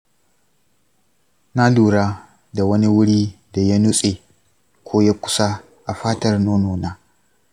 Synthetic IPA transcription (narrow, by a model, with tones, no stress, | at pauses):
na˦luː˨ɽa˦ | da˨wɐ˦ni˦wʊ˦ɽi˦da˨ja˦nu˦sʼe˨ | kʰʷoː˦ja˦kʷʊ̥˦sa˦ | ʔa˨ɸaː˦tɐ˦rnoː˦noː˨na˦